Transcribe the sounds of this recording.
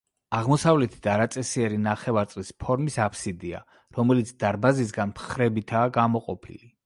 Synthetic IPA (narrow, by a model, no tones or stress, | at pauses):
aʁmɔsavlɛt̪ʰid̪aɾat̪sʼɛsiɛɾinaχɛvaɾt̪sʼlispʰɔɾmisapʰsid̪ia̰ | ɾɔmɛlit̪sʰd̪aɾbazis̬ɡanpχɾɛbit̪ʰaːɡamɔqʼɔpʰḭli